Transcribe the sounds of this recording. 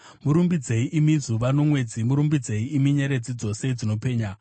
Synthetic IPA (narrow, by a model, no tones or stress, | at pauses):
muɾumbid͡zeiʔimizuʋano̞mwe̞d͡zimuɾumbid͡zeiːmiɲeɾed͡zid͡zo̞se̞id͡zino̞pe̞ːɲa